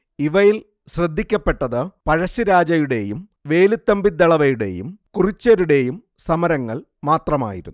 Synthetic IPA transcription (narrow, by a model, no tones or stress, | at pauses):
iʋɐjil | ɕrɐd̪ʱːikʲːɐpːe̞ʈːɐðɨpɐɻɐɕiɾaːd͡ʑɐjuɽe̞jum | ʋe̞ːlut̪ːɐmbid̪ːɐɭɐʋɐjuɽe̞̰jṵmkurit͡ɕːɐɾuɽe̞jum | sɐmɐɾɐŋːɐɭ | maːt̪rɐma̰ːjiɾunː